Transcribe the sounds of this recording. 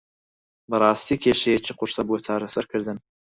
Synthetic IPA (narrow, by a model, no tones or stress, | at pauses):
bɐrˤɑːst̪iːkʲʰeʃɛjɛt͡ʃiːqʊɾsɐbuɔt͡ʃʰaːɾɐsɐɾkʰɨɾd̪ɨn